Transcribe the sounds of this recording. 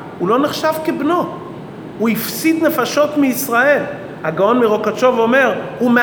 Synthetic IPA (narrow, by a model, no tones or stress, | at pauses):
ulo̞neχʃavkebno̞ | huifsit̪nefaʃo̞t̪miisʁael | haɡaonmiʁokat͡ʃovome̞ʁume